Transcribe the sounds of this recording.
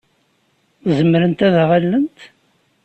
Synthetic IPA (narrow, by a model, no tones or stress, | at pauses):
zəmːɾənt̪æðʁalːənt̪